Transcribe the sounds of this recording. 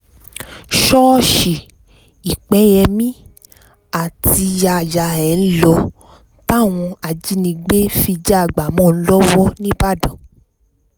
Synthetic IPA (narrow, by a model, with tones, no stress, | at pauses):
ʃɔ˦ʃi˨ | i˨k͡pɛ˨˦jɛ˧mĩ˦ | a˨tʰi˧ja˧˨ja˨ɛ˨n̩˦lɔ˧˦ | ta˦˨w̃ɔ̃˧a˨d͡ʒi˨˦nĩ˧ɡ͡be˦fi˧d͡ʒa˦˨ɡ͡ba˨mɔ̃˦˨n̩˦lɔ˦wɔ˦nĩ˦ba˦˨dã˨